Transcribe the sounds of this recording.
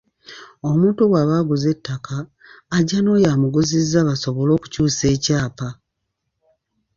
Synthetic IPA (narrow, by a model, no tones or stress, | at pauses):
o̞muːntuwaːβaːɡuze̞tʰːakʰaː | ɟano̞ːjamuɡuzizːaβaso̞βo̞lo̞ːku̥cuːse̞ːcaːpa